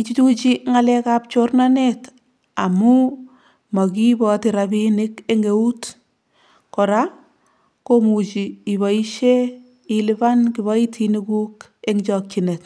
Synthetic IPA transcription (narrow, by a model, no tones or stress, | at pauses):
it͡ʃitut͡ʃiŋalɛkap̚t͡ʃornanet | amu | mɔkibɔtiɾabinikeŋɡeut | kɔɾa | komut͡ʃiibɔiʃe | ilibankiβɔitʰinikuk | eŋt͡ʃɔk̚t͡ʃinet